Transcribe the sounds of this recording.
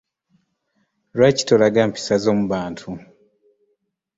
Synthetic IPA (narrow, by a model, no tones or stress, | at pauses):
lwaci̥tolaɡaːmpi̥sazo̞ːmuβaːntʰu